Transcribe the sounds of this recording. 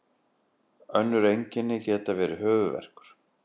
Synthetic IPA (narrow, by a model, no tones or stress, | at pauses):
œnːʏɾejɲcɪnːɪcɛːt̪avɛːɾɪɦœːvʏvɛ̰r̥kʏ̥ɾ̥